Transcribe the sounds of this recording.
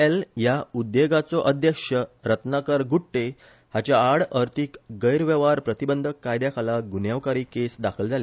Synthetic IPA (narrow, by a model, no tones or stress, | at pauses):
eljaud̪ːjeɡat͡sɔʔəd̪ʱjəkʂəɾət̪nakəɾɡʱuʈʈe | hat͡ɕjaːɽəɾt̪iːkɡəjɾʋɛʋaɾpɾət̪ibənd̪ʱəkːajd̪jakʰalaɡunjaʋkaɾiːkesd̪akʰəld͡zʱale